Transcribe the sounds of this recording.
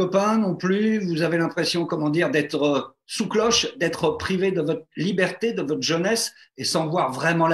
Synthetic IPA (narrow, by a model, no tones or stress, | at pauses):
ɔpɛ̃nɔ̃plyvuzavelɛ̃pχesjɔ̃kɔmɑ̃d̪iʁd̪ɛt̪χə | suklɔʃd̪ɛt̪χəpχived̪əvɔt̪χlibɛʁt̪ed̪əvɔt̪χʒənɛs | esɑ̃vwaʁvʁɛmɑ̃l